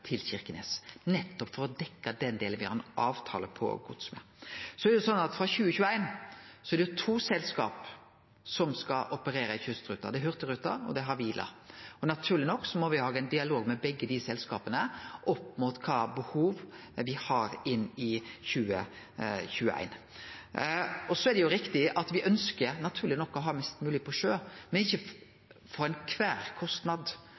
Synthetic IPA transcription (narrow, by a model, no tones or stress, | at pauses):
t̪ʰɪlɕɪɾkəneːsnɛt̪ːɔpfɔɾɔd̪ɛkːɑd̪ɛnd̪eːlənʋɪhɑ̰ɾɛnʔɑːʋt̪ʰɑ̰ːləpʰɔ̰ɡʊt̪smɛ̰ | sɔɛɾd̪jɛsɔnːɑt̪fɾɑçʉːəçʉːəæɪnsɔɛɾɖɛjʉt̪ʰuːsɛlskɑːp | sɔmskɑʔɔpəɾeːɾɑɪçʉst̪ɾʉt̪ːɑ̰d̪ɛɦœʁt̪əɾʉt̪ːɑɔ̰d̪ɛɦɑʋiːlʔɑ̰ɔnɑt̪ʰʉːʁlɪnɔkːsɔmɔʋɪhɑːɡæɪnd̪ɪɑloːɡmɛbɛɡːəd̪ɪsɛlskɑːpənəʔɔpːmut̪kʰɑːbəhuːʋʋɪhɑɾɪnːɪçʉːə̰ | çʉːəʔæ̰ɪn | ɔsɔɛɾd̪ɛjʊɾɪkt̪ɪʔɑt̪ʋɪʔœnskəɾnɑt̪ʰʉːɾlɪnɔkːɔɦɑːmɛst̪mʉːlɪpʰɔʃøːmɛnɪçːə | fɔɾæɪnkʰʋæːɾkʰɔst̪nɑd̪